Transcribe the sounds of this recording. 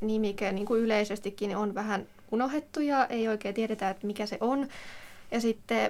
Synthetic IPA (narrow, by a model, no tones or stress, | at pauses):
nimikæniːŋkuyleisest̪ikːinonʋæhæn | unohet̪ːujɑʔeioikeːt̪ieɾet̪æet̪mikæseʔonjɑsit̪ːe